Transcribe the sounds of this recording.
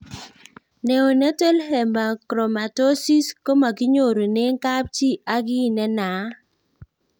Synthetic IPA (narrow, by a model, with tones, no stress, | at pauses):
ne˨o˨ne˦te˦lɦɛ˨mba˨kɾo˨ma˨to˦si˦sko˦ma˨ɡɪ˦ɲo˨ɾo˨ne˦ŋ˦ka˦p̚t͡ʃi˦a˦ɡɪ˦˨nɛ˦na˨˦